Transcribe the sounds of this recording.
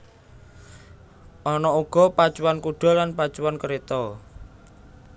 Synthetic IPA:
ʔɔnɔuɡ̥ɔ̤pḁt͡ʃuwankuɖ̥ɔ̤lanpḁt͡ʃuwankəɾet̪ɔ

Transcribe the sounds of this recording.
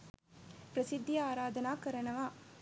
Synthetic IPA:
pɾɐsɪd̪ːjaːɾaːd̪ɐnaːkɐɾɐnɐʋaː

